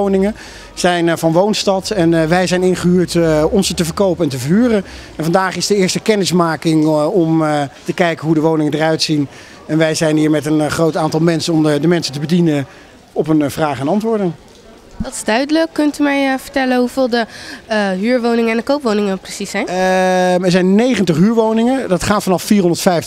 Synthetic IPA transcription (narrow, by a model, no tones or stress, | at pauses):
wnɪŋə | z̥ɛjnvɑnʋownstɑtɛnʋɛjzɛjnɪnχəɦyːɹtɔnsətəvəɹkowpəɛntəvəɹɦyːrənɛnvɑndaːχɪzdəɪːɹstəkɛnɪsmaːkɪŋɔmtəkɛjkəɦudəʋownɪŋədərœɥtsin | ɛnʋɛjzɛjnɦiːɹmɛtənχrowtaːntɑlˠmɛnsənɔmdəmɛnsəntəbədinə | ɔpənv̥raːχəɛnɑntʋʊːɹdən | dɑtɪ̥zdœɥdələkːɵntymɛjvəɹtɛlənɦuvɪːlˠdə | ɦyːɹʋownɪŋəɛndəkowpʋownɪŋəprəsisɛjn | ɛɹzɛjnːejχəntəχɦyːɹʋownɪŋədɑtχaːtfɑnɑffiːrɦɔndəɹtfɛjf